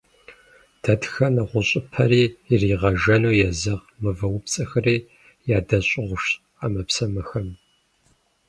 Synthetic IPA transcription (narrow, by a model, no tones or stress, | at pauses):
d̥ɐtxɐnɐʁʷʊɕʼɪpʰɐɾiːiriːʁɐʒɐnuːjɛzɐʁ | mɨvɐwʊpt͡sʼɐxɐriː | jaːdɐɕʼɪʁʷʊʃ | amɐpsɐmɐxɐm